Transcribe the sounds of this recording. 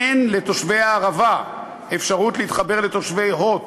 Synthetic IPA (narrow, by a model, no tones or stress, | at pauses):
enle̞t̪o̞ʃvejaːʁava | efʃaʁutliit̪χabe̞ʁlet̪o̞ʃve̞jɦot